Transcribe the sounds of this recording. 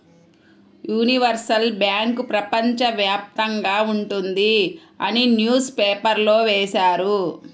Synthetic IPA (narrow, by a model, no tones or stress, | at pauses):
juːniʋɐɾsɐlbjaːŋkpɾɐpɐɲt͡ʃɐʋjaːp̚t̪ɐŋɡaːuɳʈund̪i | ɐninjuːspeːpɐɾlo̞ːʋɛːʃaːɾu